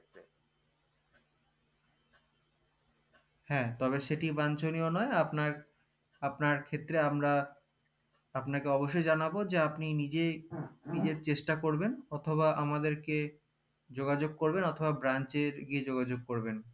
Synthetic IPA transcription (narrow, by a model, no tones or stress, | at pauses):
hɛ̃ːt̪ɔβeʃeʈibant͡ɕonionɔeapna | apnaɾkʰet̪ːɾeamɾa | apnakeɔboʃ̬ːojd͡ʑanabod͡ʑeapninid͡ʑenid͡ʑeɾt͡ɕeʃʈakoɾbenɔt̪ʰobaʔamad̪eɾke | d͡ʑoɡad͡ʑoɡ̚koɾbenɔt̪ʰobabɾant͡ɕeɾɡied͡ʑoɡad͡ʑoɡ̚koɾben